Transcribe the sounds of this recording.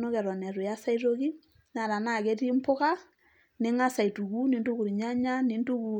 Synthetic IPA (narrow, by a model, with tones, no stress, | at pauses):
no˦kɛ˨ɾɔ˨nɛ˨ɾu˨ja˦sa˦iɾo˦ki˦ | na˨ɾa˨na˦˨kɛ˦ti˦mpʊ˦ka˦ | ne˦ŋa˦sa˨i˨tu˨ku˦ni˦ndu˦ku˨ɾi˨ɲa˦ɲa˦ni˦ndu˦ku˨